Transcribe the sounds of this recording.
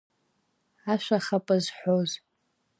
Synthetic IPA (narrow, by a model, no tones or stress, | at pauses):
aʃʷaχapʼɨzħʷoz